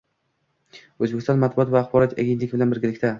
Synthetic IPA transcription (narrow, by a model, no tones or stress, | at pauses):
ɵzbekʲɪst̪ɒnmat̪̚bʊɒt̪vaːχbɒɾɒt̪ʰaɡʲent̪lɪɡʲɪbɪlanbɪɾɡʲɪlɪkʲt̪ʰa